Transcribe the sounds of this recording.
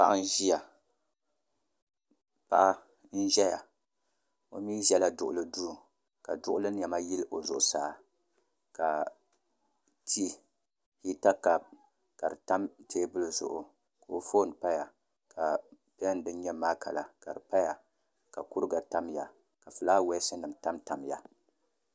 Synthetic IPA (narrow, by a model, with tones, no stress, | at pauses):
pa˦ʔa˦n˦ʒi˦ja˨ | pa̰˦ʔa˦ | n̩˦ʒɛ˦ja˨ | o̰˨mi˦ʒɛ˦la˨dʊ˨ʔʊ˨lɨ˦duː˦˨ | ka̰˨dʊ˦ʔʊ˦lɨ˦n˦jɛ˨ma˦ji˦lʔo˨zʊ˨ʔʊ˨saː˦ | ka˨ | ti˦ | hi˦ta˦ka˨b̚ | ka˨ɾɨ˨ta˦mteː˦bɨ˦lɨ˦zʊ̰˨ʔʊ˨ | ka˨o˦foː˦˨n˨pa˦ja˨ | ka˨ | pn˨dɨ˦n˦ɲɛ˦maː˦ka̰˨la˨ka˨ɾɨ˨pa˦ja˨ | ka˨ku˦ɾɨ˦ɡa˨ta˦mja˨ | ka˨fɨ˨laː˦wɛ˦sɨ˦nɨ˨mta˦mta˨mja˨